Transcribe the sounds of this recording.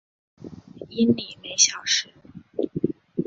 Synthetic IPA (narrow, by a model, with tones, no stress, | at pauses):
i˥nli˨˩me˧˥ɪɕjɑ˨˩ʊʂɻ̩˧˥